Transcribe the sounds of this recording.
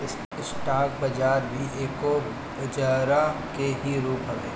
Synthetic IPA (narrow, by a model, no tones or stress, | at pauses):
ɪs | sʈaːk̚bɐd͡ʒaːɾbʱiʔeːko | d͡ʒəːɾakeɦiɾuːpɦɐɡḛː